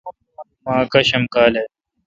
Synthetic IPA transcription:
mãːkɐɕɐmkaːle

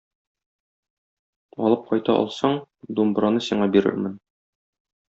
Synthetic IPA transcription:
ɒlˠɤp̚qɒjt̪ɑʔɒ̰lˠsɑɴd̪umbɾɑnɤsiɴɑbiɾɘ̰ɾmɘn

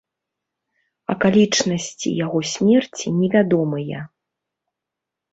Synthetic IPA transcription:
ɐ̰kalʲit͡ʂnɐsʲt͡sʲḭjaɣɔsʲmʲɛrt͡sʲinʲɛvʲad̪ɔmɨjɐ

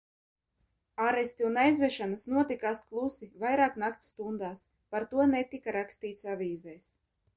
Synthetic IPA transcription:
aɾest̪iunajzvɛʃanasnuɔt̪ikaːsklˠusivajɾaːknakt̪sːt̪und̪aːs | paɾt̪uɔnɛt̪ikaɾakst̪iːt̪savʲiːzɛjs

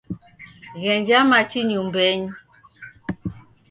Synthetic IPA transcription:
ɣɛnd͡ʒamat͡ʃiɲumbɛɲ

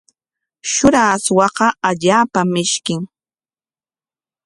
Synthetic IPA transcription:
ʃʊɾaːswɑqɑaʎaːpamɪʃkɪŋ

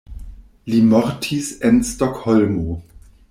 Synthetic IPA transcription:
limɔʁtʰisɛnstɔkhɔlmo

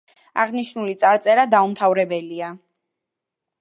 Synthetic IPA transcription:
a̰ʁniʃnulit̪sʼaɾt̪sʼɛɾad̪aumt̪ʰavɾɛbɛlia

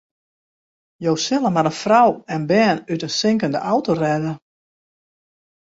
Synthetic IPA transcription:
jowsɪlˠəmaɾənfrawɛnbɛːnytənsɪŋkəndəʔawtorɛdə

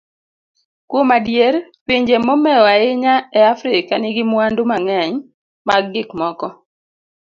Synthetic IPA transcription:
kwomadjeɾpiɲd͡ʒemɔmɛɔaɪɲaɛafɾɪkanɪɡɪmwandomaŋɛɲ | maɡɡɪkmɔkɔ

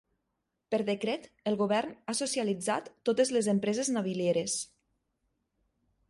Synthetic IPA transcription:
pəɾðekɾet̪ | əlˠɣuβɛɾnasosjalid͡za̰t̪ːot̪ezlezəmpɾezeznaβiljeɾes

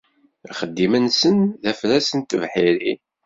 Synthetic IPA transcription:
χəd̪ːimənsənðæflæsənt̪əvħiɾi

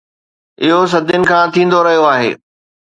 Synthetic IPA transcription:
ɪɦos̬ɐd̪ʱjʊnɪ̆kʰãːt̪ʰĩːn̆d̪oɾɐɦijoaːɦḛː

